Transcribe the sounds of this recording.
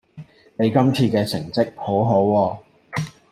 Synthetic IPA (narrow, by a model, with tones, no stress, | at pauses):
ne˨˧jkɐ˥mt͡sʰiː˧kɛː˧t͡sʰɪ˨˩ŋt͡sɪ˥k̚ho˨˥wɦo˨˥wɔː˧